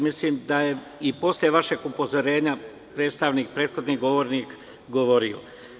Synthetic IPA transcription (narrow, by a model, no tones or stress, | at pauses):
misliːmd̪aje | ipo̞slje̞ʋaʃe̞ɡupo̞zo̞ɾe̞ːɲa | pɾe̞ːt̪st̪aʋniːk̚pɾeːt̪xo̞d̪niɡo̞ʋo̞ːɾnik | ɡo̞ʋo̞ɾio̰